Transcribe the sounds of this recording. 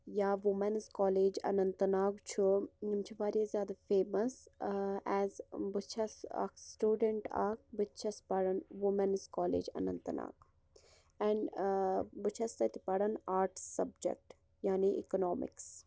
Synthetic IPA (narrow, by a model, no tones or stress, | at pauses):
jaːʋumɐnzkɔːleːd͡ʒɐ̰nɐnt̪naːɡt͡ʃʰuɲumt͡ʃʰiʋaːɾjezʲjaːd̪afeːməs | ɛzbɨt͡ʃʰɐsa̰ksʈuːɖəɳʈa̰k̚bɨt͡ʃʰɐspɐɽɐnʋumɐnzkɔːlḛːd͡ʒɐ̰nɐ̰nt̪əna̰ːɡ | ɛɳɖ | bɨt͡ʃʰɐst̪ɐt̪ipɐɽɐnaːɾʈsɐbd͡ʒḛk̚ʈ | jaːniʔḭkonɔːmɪ̰ks